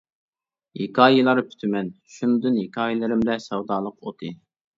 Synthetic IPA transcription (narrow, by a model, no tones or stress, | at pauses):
hikʰɑːjilˠɑɾpʰy̥t̪ʰymɛnʃunɨd̪ɨnhikʰɑːjilˠɨɾɪmd̪ɛsɛwd̪ɑːlˠəqot̪ʰɨ